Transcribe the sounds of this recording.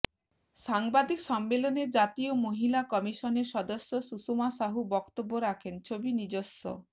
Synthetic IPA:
saŋbad̪iksɔmːelɔned͡ʒat̪iomoɦilakɔmisɔnesɔd̪osjɔsusumasaɦubɔkt̪obːoɾakʰent͡ʃʰobinid͡ʒosːɔ̰

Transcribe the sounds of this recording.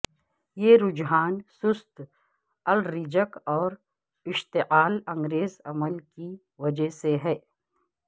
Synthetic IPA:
jeɾʊd͡ʒɦaːnsʊst̪ | ɐlɾɪd͡ʒəkɔːɾ | ɪʃt̪eʔaːlɐ̃ŋɡɾeːzɐməlki | wɐd͡ʒəɦseɦɛː

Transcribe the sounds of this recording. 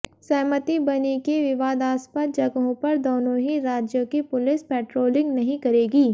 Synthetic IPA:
sɛɦmət̪ibɐnekeʋɪʋaːd̪aːspət̪̚d͡ʒɐɡɦõpɐɾd̪oːnõɦiɾaːd͡ʒjõkipʊlɪspɛːʈɾoːlɪ̃ŋɡnɐɦĩkɐɾeːɡiː

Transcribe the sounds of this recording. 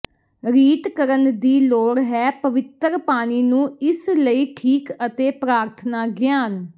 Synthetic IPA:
ɾiːt̪kəɾənd̪iːloːɾɦɛːpəʋɪt̪ɾpaːñiːnũːɪsləiːʈʰiːkət̪eːpɾaːɾt̪ʰnaːɡjaːn

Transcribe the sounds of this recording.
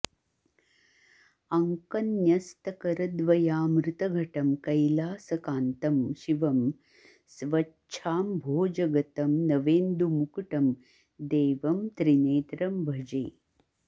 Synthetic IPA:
ɐŋkɐnjɐst̪ɐkɐɾɐd̪ʋɐjaːmɾut̪ɐɡʱɐʈɐmkɐjlaːsɐkaːnt̪ɐmʃiʋɐm | sʋɐ | ʃʰaːmbʱoːd͡ʒɐɡɐt̪ɐmnɐʋeːnd̪umukɐʈɐm | d̪eːʋɐmt̪ɾineːt̪ɾɐmbʱɐd͡ʒɐ̰j

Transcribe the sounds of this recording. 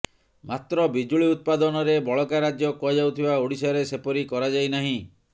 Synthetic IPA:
mat̪ɾɔbid͡ʒuɭiut̪̚pad̪ɔnɔɾebɔɭɔkaɾad͡ʒjɔkɔd͡ʒawt̪ʰibaoɽisɔɾesepɔɾikɔɾad͡ʒajnaɦĩ

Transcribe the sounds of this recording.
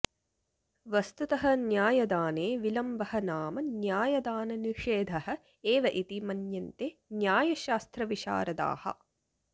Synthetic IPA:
ʋɐst̪ut̪ɐɦɐnjaːjɐd̪aːneːʋilɐmbɐɦɐnaːmɐnjaːjɐd̪aːnɐniʂeːd̪ʱɐhɐ̆ | eːʋɐʔit̪imɐnjɐnt̪eːnjaːjɐʃaːst̪ɾɐʋiʃa̰ːɾɐd̪a̰ːhɐ̰

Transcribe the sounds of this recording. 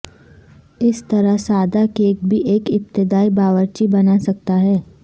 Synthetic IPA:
ɪst̪ɐɾəsaːd̪akeːkbʱiʔeːkɪp̚t̪ɪd̪aːibaːʋəɾt͡ʃibɐnasɐk̚t̪aɦɛː

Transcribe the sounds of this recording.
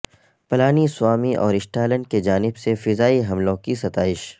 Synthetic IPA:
pɐlaːniswaːmiʔɔːɾɪsʈaːlə̃ɳɖ̚ked͡ʒaːnɪbsefɪzaːiɦɐmlõkisɐt̪aːɪʃ

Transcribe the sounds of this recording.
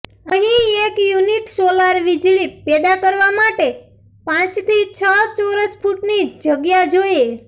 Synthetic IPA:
əɦĩekjuniʈsolaɾʋid͡ʒɭipɛd̪akəɾʋamaʈe | pãt͡ʃt̪ʰit͡ʃʰət͡ʃoɾəspʰuʈnid͡ʒəɡjad͡ʒoje

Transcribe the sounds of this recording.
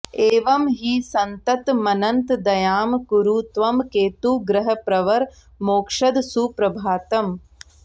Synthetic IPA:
eːʋɐmɦiːsɐnt̪ɐt̪mɐnɐnt̪d̪ɐjaːmkuɾuːt̪ʋɐmkeːt̪uːɡɾɐɦɐpɾɐʋɐɾ | moːkʂɐd̪suːpɾɐbʱaːt̪ɐm

